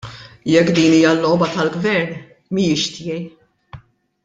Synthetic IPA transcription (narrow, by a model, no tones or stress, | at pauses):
jɛkːd̪iːniːjɐlːɔːbɐt̪ɐlɡvɛɾn | mijɪʃt̪ɪjɛj